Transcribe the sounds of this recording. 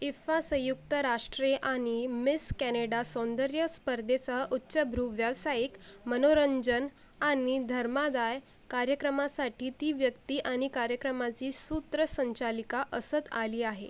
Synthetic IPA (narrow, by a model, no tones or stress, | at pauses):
ifasə̃jukt̪əɾaʂʈɾeʔaɽ̃imiskæneɽasɔ̃nd̪əɾjəspəɾd̪ʱet͡saʔutːɕəbʱɾuʋjaʋsaikmənoɾəɲd͡ʑən | añid̪ʱəɾmad̪aj | kaɾjəkɾəmasaʈʰiːt̪iːʋjəkt̪iːʔaɽ̃ikaɾjəkɾəmat͡ɕiːsut̪ɾəsəɲt͡ɕalikaʔəsət̪aliːaɦḛ